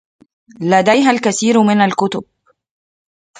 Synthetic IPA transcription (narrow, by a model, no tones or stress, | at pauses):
læd̪æjɦælkæθiːɾmɪnalkʊt̪ʊb̚